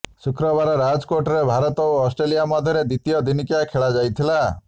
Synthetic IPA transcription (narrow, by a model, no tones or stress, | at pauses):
sukɾɔbaɾɔɾad͡ʒkoʈɔɾebʱaɾɔt̪ɔoɔsʈɾelijamad̪ʱjɔɾed̪it̪ijɔd̪inikjakʰeɭad͡ʒajt̪ʰila